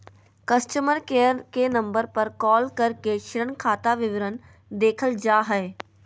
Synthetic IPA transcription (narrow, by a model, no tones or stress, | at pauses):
kɐsʈəməɾkeəɾkenɐ̃mbəɾpɐɾkɔːlkɐɾkeʃɪɾənkʰaːt̪aʋɪʋəɾən | d̪eːkʰəld͡ʒaːɦɛː